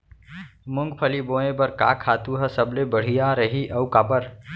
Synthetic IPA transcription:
mʊŋɡpʰəliboẽbəɾka̰kʰaːt̪uɦəsəblebəɽ̤ijaɾəɦiʔəukapəɾ

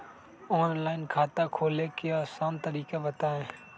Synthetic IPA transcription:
oːnlaːɪnkʰaːt̪aːkʰoːleːkɪjaːsaːnt̪əɾiːkaʋət̪aːɦẽː

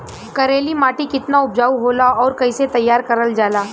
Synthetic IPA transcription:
kɐɾeːlimaːʈikɪt̪naʊb̚d͡ʒaːuɦoːlaɔːɾkɐiset̪ɐjːaːɾkɐɾəld͡ʒaːlaː

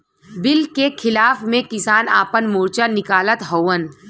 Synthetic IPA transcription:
bɪlkekʰɪlaːfmẽkɪsaːna̰ːpənmuːɾt͡ʃanɪkaːlət̪ɦowən

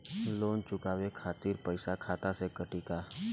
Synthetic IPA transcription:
loːnt͡ʃʊkaːwekʰaːt̪iːɾpəɪsakʰaːt̪asekəʈiːkaː

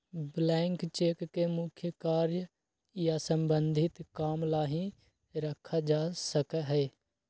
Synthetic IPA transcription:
blɛ̃ːŋkt͡ʃeːkkemʊkʰjəkaːɾjə | jasə̃mbə̃nd̪ʱɪt̪kaːmlaːɦĩ | ɾəkʰad͡ʒaːsəkɦɛː

